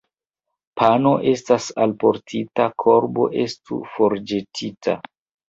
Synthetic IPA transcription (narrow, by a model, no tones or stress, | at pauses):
pʰano̞ʔe̞stasalpo̞ɾtʰitakʰo̞ɾbo̞̰ʔe̞stṵfoɾd͡ʒe̞tʰitʰa̰